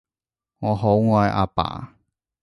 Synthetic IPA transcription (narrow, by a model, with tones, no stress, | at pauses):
ŋɔː˨˧ɦo˨˥wŋɔː˧˨jʔa̰ː˧pa̰ː˨˩